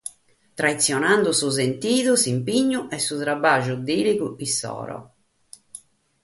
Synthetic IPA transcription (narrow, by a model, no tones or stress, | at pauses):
t̪ɾait̪sːjɔnand̪usuzent̪iːðusimpiɲːuʔɛsːut̪ɾabaʒud̪iːlikuisːɔ̰ːɾɔ̰